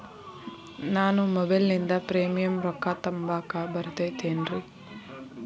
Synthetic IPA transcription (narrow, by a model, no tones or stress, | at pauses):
naːnumɔbɐlnind̪ɐpɾeːmijɐmɾɐkːat̪ɐmbaːkabɐɾut̪et̪ːeːnɾi